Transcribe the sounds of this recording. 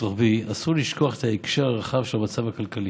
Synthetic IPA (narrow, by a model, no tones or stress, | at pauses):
ʁaχbiasuʁliʃko̞aχe̥t̪haekʃeʁaʁaχavʃelamat͡savakalkali